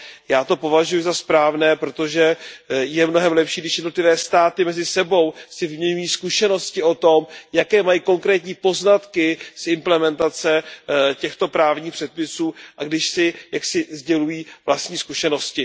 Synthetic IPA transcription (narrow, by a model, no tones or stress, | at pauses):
jaːt̪o̞po̞vaʒujʊzaspɾaːvnɛːpɾo̞t̪o̞ʒɛjɛmno̞ɦɛmlɛpʃiːɡdɪʃjɛdnot̪lɪvɛːst̪aːt̪ɪmɛzɪsɛbo̞wsɪvɪmɲɛɲujiːskuʃɛno̞scɪo̞t̪o̞mjakɛːmajiːko̞ŋkɾɛːt̪ɲiːpo̞znat̪kɪsʔɪmplɛmɛnt̪at͡sɛcɛxt̪o̞pɾaːvɲiːxpr̥ɛt̪̚pɪsuːʔaɡdɪʃsɪjaksɪzɟɛlujiːvlast̪ɲiːskuʃɛno̞scɪ